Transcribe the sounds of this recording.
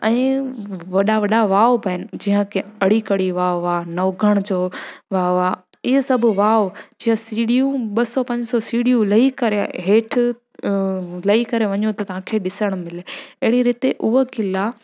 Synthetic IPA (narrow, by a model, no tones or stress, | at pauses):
ɛ̃ːʋɐɗaʋɐɗaʋaːobʱɐɪnɪ̆d͡ʑiːɦə̃kʰeɐɽikɐɽiʋaːoaːnɐɡʱəɽ̃d͡ʑoːʋaːoaː | ɪɦesɐbʱʊʋaːod͡ʑiɦə̃siːɽiũɓɐsɔpɐ̃ɲd͡ʑsɔsiːɽijũlɐikɐɾeɦeːʈʰ | lɐikɐɾeʋɐ̃ɲot̪ɐt̪ɐʋ̤ãkʰeɗɪsəɽ̃mɪleeɦɽ̃iɾɪt̪eʔʊɦkɪla